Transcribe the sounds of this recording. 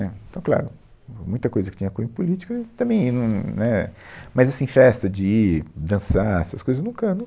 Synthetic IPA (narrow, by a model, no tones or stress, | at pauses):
nɛẽt̪ɐ̃w̃kla̰ɾʊ | mũj̃t̪ɐkojzɐkɪ̥t͡ʃĩɲɐkuẽpulit͡ʃi̥kɐɪt̪ɐ̃mbẽj̃nɐ̃w̃nɛmɐjzɐsĩfɛst̪ɐd͡ʒɪid̪ɐ̃saɛsɐskojzɐznũkɐnũ